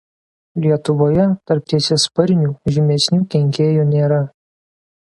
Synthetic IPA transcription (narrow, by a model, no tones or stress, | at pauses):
lʲiɛt̪ʊʋoːjɛt̪ɐɾp̚t̪ʲiɛsʲeɛspɐɾʲnʲuːʒʲɪmʲɛsʲnʲuːkʲɛŋʲkʲeːjuːnʲeːɾɐ